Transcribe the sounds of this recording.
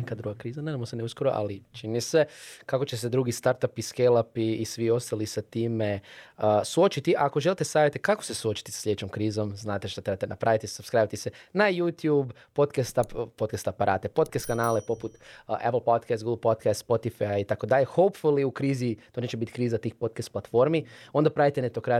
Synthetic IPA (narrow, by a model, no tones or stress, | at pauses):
nekad̪ɾuɡakɾiːzaned̪amoseneuskoɾoʔa̰lit͡ʃinnisekako̞t͡ʃe̞sed̪ɾuɡist̪aɾt̪apiskelˠapiːsʋio̞st̪alisat̪iːmeəsuot͡ʃit̪iʔakoʒelit̪esaːʋjet̪ekako̥sesuo̞t͡ʃi̥t̪isḁslʎed̪et͡ʃomkɾiːzo̞mznaːt̪eʃt̪at̪ɾebat̪enapɾʔaʋit̪isubskɾajʋat̪isenajuːt̪juːb | pot̪kast̪appot̪kast̪apaɾa̰ːt̪epo̞t̪̚kast̪̚kanaːlepo̞put̪ʔɛpl̩ˠpot̪kɛst̪ɡuɡlˠpot̪kast̪spot̪ifajjait̪ako̞d̪aʎexopfoliukɾiːzit̪o̞neːt͡ʃebit̪i̥kɾiːzat̪iːxpo̞t̪̚kast̪̚plˠat̪fo̞ɾmiond̪apɾaʋit̪enet̪okɾa